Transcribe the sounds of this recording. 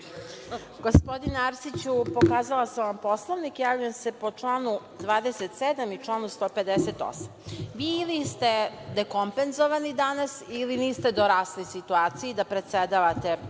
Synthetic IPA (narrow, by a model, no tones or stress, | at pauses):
ɡo̞spo̞d̪inaɾsit͡ɕupo̞kaːzalaseʋampo̞slˠoʋnikjaːʋʎujemse̞po̞t͡ʃlˠaːnu | d̪ʋaːd̪eset̪sed̪amit͡ʃlˠaːnust̪o̞pe̞d̪eset̪o̞̰samʋiːlist̪e̞d̪eko̞mpenzoʋanid̪anasiliniːst̪e̞d̪oɾaslisit̪uaːt̪sijid̪apɾesed̪aʋat̪e̞